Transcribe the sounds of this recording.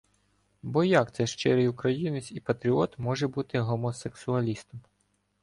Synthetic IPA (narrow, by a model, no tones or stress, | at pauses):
bɔjɑkt̪sɛʃt͡ʃɪɾɪjukɾɐjinɪsʲipɐt̪ɾʲiɔt̪mɔʒɛbut̪ɪɦɔmɔseksʊɐlʲist̪ɔm